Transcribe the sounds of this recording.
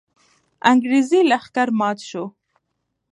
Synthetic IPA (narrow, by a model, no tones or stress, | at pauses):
aŋɡɾizilaχkaɾmɑːt̪ʃo